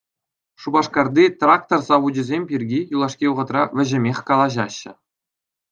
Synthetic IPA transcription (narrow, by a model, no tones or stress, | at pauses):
ʂubɑʂkɑrd̪ʲit̪rak̚t̪orzɑʋud͡ʑɘ̆zʲemʲpʲirʲɡʲijulˠɑʂkʲiŭʁɤ̆t̪rɑʋʲɘ̆ʑɘ̆mʲeχʲkɑlˠɑʑɑɕːɘ̆